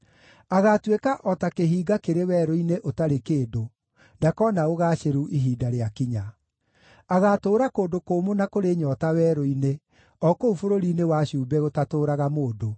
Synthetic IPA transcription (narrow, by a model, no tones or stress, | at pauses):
aɣatwekaʔɔtakeɦiːɡakeɾewɛːɾoineʔotaɾekeːdo | ndakɔnaoɣaːɕeɾuʔiɦiːdaɾeakiɲa | aɣatoːɾakoːndokoːmonakoɾeɲɔtawɛːɾoine | ɔkoufoɾoɾinewaɕuːbɛɣotatoːɾaɣamoːdo